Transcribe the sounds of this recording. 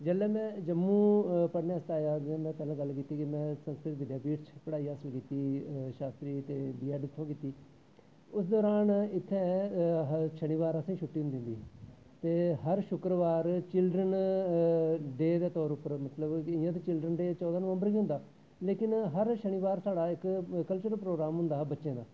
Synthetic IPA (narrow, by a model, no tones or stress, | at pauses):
d͡ʒəlɛːmɛ̃ːd͡ʒəmːũːpəɽneːəst̪aːjaːd̪ɪãːd̪aːt̪əlãɡəlkiːt̪iːkɪmɛ̃ːsə̃ŋskɾɪt̪ʋɪd̪jaːpiːʈt͡ʃʰpəɽaːiːɦəːsəlkiːt̪iːʃaːst̪ɾiːt̪eːbiːɛːɖɪt̪ʰːõːkiːt̪iː | ʊsd̪ɔːɾaːnɪt̪ʰːɛ̃ːɦəʃəɽ̃iːʋaːɾəsãːʃʰʊʈːiːɦʊ̃nd̪ɪ̃nd̪iː | t̪eːɦəɾʃʊkɾəʋaːɾt͡ʃɪlɖɾən | ɖeːd̪eːt̪ɔːɾʊpəɾmət̪ləbɪjãt̪̬eːt͡ʃɪlɖɾənɖeːt͡ʃɔːd̪aːnəʋə̃mbəɾkiːɦʊnd̪aː | leːkɪnɦəɾʃəɽ̃iːʋaːɾsaːɽaːɪkkəlt͡ʃəɾəpɾoːɡɾaːmɦʊ̃nd̪aːbətːʃẽːd̪aː